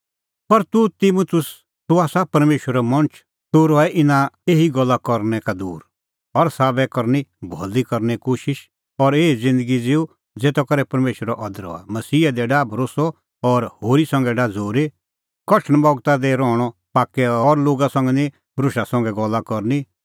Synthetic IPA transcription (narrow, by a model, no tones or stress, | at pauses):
pɐɾt̪ut̪imut̪ʰʊs | t̪uaːsapɐɾmeːʃwəɾɛmɐ̃nt͡ʃʰ | t̪uɾɔɛʔɪnaeːɦiɡɔlːakɔɾnɛkad̪uːɾ | ɔɾsaːbɛkɔɾnibʱɔlikɐɾnɛkoːʃɪʃ | ɔɾeːid͡zɪ̃nd̪əɡid͡zɪu | d͡zeːt̪ɔkɐɾɛpɐɾmeːʃwəɾaʔɔd̪əɾɔ̰ːa̰mɐsiːɛd̪ɛɖaːbʱɐɾoːsɔ | ɔːɾhoːɾisɐ̃ŋɡɛɖad͡zoːɾe | kɔʈʰəɳ̃bɔɡt̪ad̪ɛɾɔ̃ːɔpaːkːɛɔːɾloːɡasɐ̃ŋɡɛnĩ | ɾʊʃasɐ̃ŋɡɛɡɔlːakɔɾni